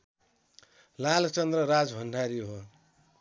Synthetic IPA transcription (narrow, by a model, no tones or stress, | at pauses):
lalt͡sʌnd̪rʌɾad͡zbʱʌɳɖʱaɾiɦo